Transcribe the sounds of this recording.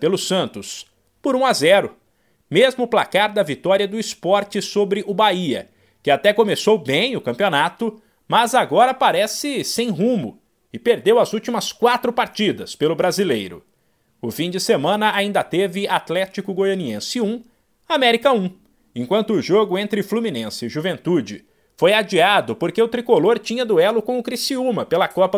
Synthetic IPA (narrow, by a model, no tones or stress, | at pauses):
pelʊsɐ̃nt̪ʊs | pʊɾũazɛɾʊ | mezmʊːplakaɾd̪ɐvit̪ɔɾiɐd̪ʊispɔɾt͡ʃɪsobɾɪʔʊbaiɐ̰ | kɪat̪ɛkomesowbẽj̃ʊkɐ̃mpionat̪ʊ | mɐzaɡɔɾɐpaɾɛsɪsẽj̃ɦũmʊ | ɪpeɾd̪ewɐzuwt͡ʃimɐskwat̪ɾʊpaɾt͡ʃid̪ɐspelʊbɾazilejɾʊ̰ | ʊfĩd͡ʒɪsemɐ̃nɐaĩnd̪ɐt̪evɪat̪lɛt͡ʃikʊɡojɐniẽsɪũ | amɛɾikɐũ | ẽkwɐ̃nt̪ʊːʒoɡʊẽnt̪ɾɪflumĩnẽsɪːʒuvẽnt̪ud͡ʒɪ̰ | fojad͡ʒiad̪ʊpoɾkeʊt̪ɾikoloɾt͡ʃĩɲɐd̪ʊɛlʊkõw̃ʊkɾisiumɐpelɐkɔpɐ